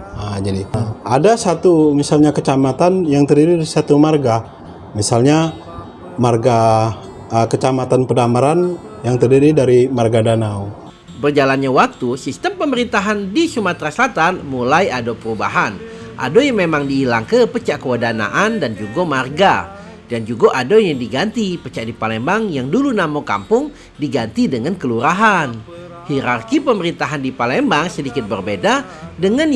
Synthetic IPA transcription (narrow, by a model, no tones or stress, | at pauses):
ad͡ʒadiadasat̪umisalɲakət͡ʃamat̪anjaŋt̪ərdiɾidaɾisat̪umarɡa | misalɲa | marɡa | ʔəkət͡ʃamat̪anpədamaɾan | jaŋt̪ərdiɾidaɾimarɡadanau | bərd͡ʒalanɲawak̚t̪usist̪əmpəməɾint̪aɦandisumat̪ɾasəlat̪anmulajadopəɾuba̰ɦanʔa̰dojaŋmemaŋdiːlaŋkəpət͡ʃaʔkəwədana̰ʔandand͡ʒuɡomarɡa | dand͡ʒuɡaʔadojaŋdiɡant̪ipət͡ʃaʔdipalɛmbaŋjaŋdulunamoka̰mpʊŋ | diɡant̪idəŋankəluɾaɦan | hiɾarkipəməɾint̪aɦandipalɛmbaŋsədikɪt̪̚bərbedadəŋan